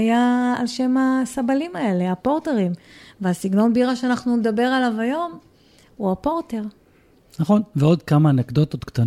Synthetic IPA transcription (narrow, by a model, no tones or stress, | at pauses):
jaalʃe̞masabalimae̞le̞apo̞ʁte̞ʁimveasiɡno̞nbiʁaʃeanaχnuned̪abe̞ʁalavajo̞m | uapo̞ʁt̪e̞ʁ | naχonveo̞d̪kamanekd̪o̞t̪ot̪kt̪an